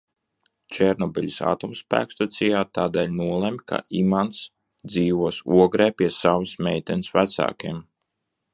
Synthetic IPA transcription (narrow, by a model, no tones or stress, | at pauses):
t͡ʃɛɾnɔbʲilʲisa̰ːt̪umspæ̰ːkst̪at̪sijaːt̪aːd̪ɛːlʲnuɔlˠɛmʲkʰa̰ʔimant̪s | d̪ziːʋuɔsuɔɡɾɛːpʲiɛsaʋsmʲɛjt̪ʲɛnsvæt̪sa̰ːkʲiɛm